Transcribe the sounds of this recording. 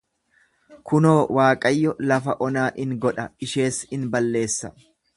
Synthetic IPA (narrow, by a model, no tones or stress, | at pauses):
kʰʊno̞ːwaːkʼɐjːɔlɐfɐʔɔnaːʔɪŋɡɔᶑɐɪʃe̞ːsɪnbɐlːe̞ːsːɐ̥